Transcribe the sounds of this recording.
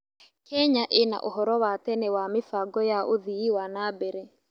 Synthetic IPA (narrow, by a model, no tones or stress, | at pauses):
kɛɲaʔena̰ʔoɦɔɾɔwatɛnɛwamɪfaɡɔjaʔoðiiwanaːbɛɾɛ